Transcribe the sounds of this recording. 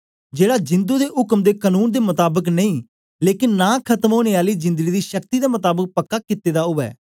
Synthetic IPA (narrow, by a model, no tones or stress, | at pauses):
d͡ʒeːɽaːd͡ʒɪ̃nd̪uːd̪eːɦʊkmd̪eːkaːnuːnd̪eːmʊt̪aːbəknəĩː | leːkɪnːaːkʰət̪əmɦoːɽ̃eːaːliːd͡ʒɪ̃nd̪əɡiːd̪iːʃəkt̪iːd̪eːmət̪aːbək̚pəkːaːkɪt̪ːeːd̪aːɦʊʋɛ̰ː